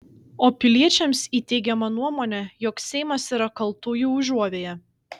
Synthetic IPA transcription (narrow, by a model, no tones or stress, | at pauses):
oːpʲɪlʲiɛt͡ʃʲɛmsiːt̪ʲɛɪɡʲɛmɐnuɔmoːnʲɛjɔksʲɛɪmɐsiːɾɐkɐlˠˑt̪uːjuːʊʒuɔʋʲeːjɛ